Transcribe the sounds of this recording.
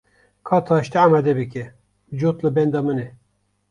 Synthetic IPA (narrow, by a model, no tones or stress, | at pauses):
kʰɑːt̪ʰɑːʃt̪ɛamad̪ɛbɨkʲɛ | d͡ʒot̪lɨbɛnd̪ɑmɨnɛ